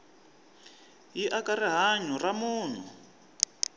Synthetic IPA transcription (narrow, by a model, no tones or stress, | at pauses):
jiʔakariɦaɲɔramuːn̤u